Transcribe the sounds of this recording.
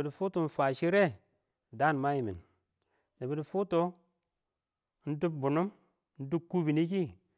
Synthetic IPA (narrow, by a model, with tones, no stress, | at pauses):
i˨dfu˦tu˨n̩˦fa˨ʃi˦ɾe˦˨ | da˦˨n˨ma˦ji˨mḭ˨n | ne˨bi˨du˨fu˦to˦ | n̩˦du˦b̚bu˨nu˦m | n̩˦du˦b̚kːu˦bi˨ni˦ki˦